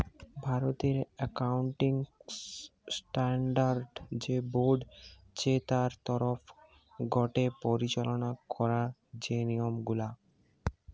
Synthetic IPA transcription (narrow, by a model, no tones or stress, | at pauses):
bʱaɾot̪eɾɛkauɳʈiŋ | sʈaɳɖaɾɖd͡ʑeboɖ | t͡ɕet̪aɾt̪ɔɾof | ɡɔʈepoɾit͡ɕalonakɔɾad͡ʑeniomɡula